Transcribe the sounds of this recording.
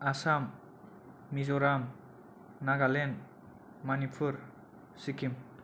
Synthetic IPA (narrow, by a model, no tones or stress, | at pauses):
asamː | izɔɾam | naɡalen | manipʰuɾ | sikim